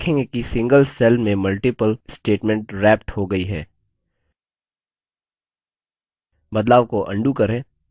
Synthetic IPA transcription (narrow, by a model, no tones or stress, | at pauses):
kʰẽːŋɡekisɪ̃ŋɡəlsɛlmẽmɐlʈɪpəlsʈeːʈmɛ̃ɳʈɾɛːp̚ʈhoɡɐiɦɛː | bɐd̪laːʋkoʔɐ̰̃ɳɖukɐɾẽː